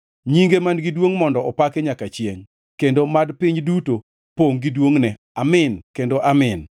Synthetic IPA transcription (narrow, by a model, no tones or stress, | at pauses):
ɲiŋɡemanɡidwoŋmɔndɔɔpakeɲakat͡ʃjeŋ | kendomadpɪɲduto | poŋɡidwoŋnɛ | amɪnkendoʔamɪn